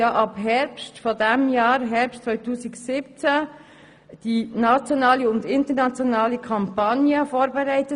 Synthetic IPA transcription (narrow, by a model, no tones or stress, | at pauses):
ɑʔɑbɦɛɾpstfɔdɛmjɑːɾɦɛɾpstt͡svɔʏtuːsiɡsɪp̚t͡sæ | d̥inat͡sjɔnaːliʊndɪntəɾnat͡sjɔnɑːlikʰɑmpɑnjəfoːɾbɛɾæɪtə